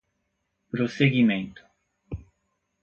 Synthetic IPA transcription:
pɾoseɡimẽnt̪ʊ̥

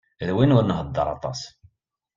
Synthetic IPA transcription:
ðwinʊɾnɦəd̪ːə̰ɾˤɑ̰t̪ˤɑ̰s

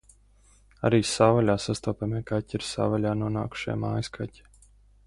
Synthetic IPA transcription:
a̰ɾiːsaːvalʲaːsast̪ɔːpʲamikatʲiɾsa̰ːvalʲaːnuɔna̰ːku̥ʃa̰jma̰ːjskʰatʲi̥

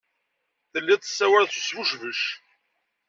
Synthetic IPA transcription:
θəlːiðˤə̥sːæwæɾθu̥svuʃvəʃ

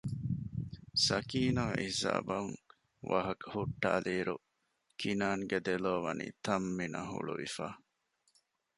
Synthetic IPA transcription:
sɐkiːnɐʔihza̰ːbɐŋ | ʋɐ̰ɦɐkhuʈːaːliːɾu | kʰinaːŋɡed̪eloːʋɐnḭːt̪ɐmːinɐɦṵɭṵʋifaː

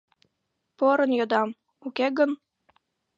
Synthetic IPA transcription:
poɾɤ̆njod̪ɑm | ukʲeɡɤ̆n

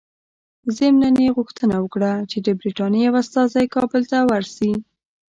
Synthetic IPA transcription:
zɪmnaneɣʊxt̪ənawəkɽat͡ʃed̪əbɾiʈɑnjjawast̪ɑzajkɑbəlt̪awaɾsi

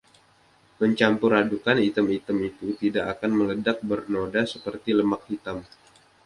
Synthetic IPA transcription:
məɲt͡ʃampuɾadukanit̪əmit̪əmit̪ut̪idaʔakanmələdak̚bərnodasəpərt̪iləmak̚hit̪am

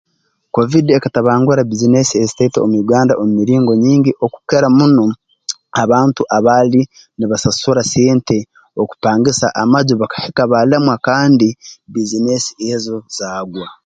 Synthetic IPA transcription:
ko̞vidiekataβaːŋɡuɾabizinesiezi̥teito̰muiɡaːndaʔomumiɾiːŋɡo̞ɲiːɲɟiʔo̞ku̥keɾamuno | aβaːntuʔaβaːli | niβasasuɾaseːnte̞ | oku̥paːŋɡisa̰ʔamaɟoβakḁhekaβalamwakaːndibizine̞siezo̞z̥aːɡwa

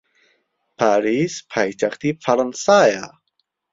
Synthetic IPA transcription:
pʰaɾispʰajt͡ʃakt̪ifʰaɾansaja

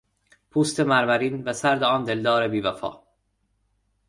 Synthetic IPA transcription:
pʰuːst̪ʰemæɾmæɾiːnvæsæɾd̪eɒːnd̪e̞ld̪ɒːɾebiːvæfɒ̰ː

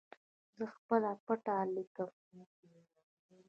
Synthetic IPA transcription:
zəxpəlapəʈalikəm

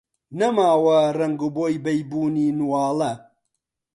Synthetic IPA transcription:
nɐmaːwɐrɐŋɡuboːjbɐjbuːniːnuwaːlɐ

